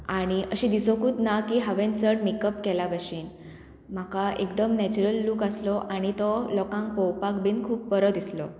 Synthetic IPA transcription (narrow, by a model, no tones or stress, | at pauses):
aɽ̃iʔəɕĩːd̪isokuːt̪nakiːɦaʋẽnt͡səɳmikəpkɛlabaɕiːn | m̤akaʔekd̪əmnɛt͡ɕuɾəlːuːkaslɔʔaɽ̃it̪ɔlɔkãŋkpɔwpakbʱiːnkʰuːpːəɾəd̪islɔ̰